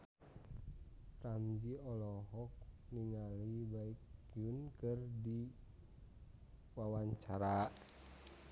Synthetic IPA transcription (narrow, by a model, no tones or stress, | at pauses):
ramd͡ʒiɔlɔɦɔk̚niŋalibaikiunkɨrdi | wawaɲt͡ʃaɾa